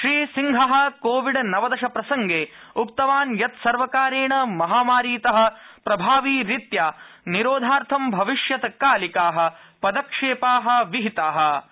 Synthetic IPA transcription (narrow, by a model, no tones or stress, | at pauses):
ʃɾiːsiŋɡʱɐɦɐ̆koːʋiɖnɐʋɐd̪ɐʃɐpɾɐsɐŋɡeːukt̪ɐʋaːnjɐt̪sɐɾʋɐkaːɾeːɳɐmɐɦaːmaːɾiːt̪ɐɦɐ̆pɾɐbʱaːʋiːɾit̪jaːniɾoːd̪ʱaːɾt̪ʰɐmbʱɐʋiʂjɐt̪kaːlikaːɦɐ̆ | pɐd̪ɐkʂeːpaːɦɐ̆ʋiɦit̪aːɦɐ̆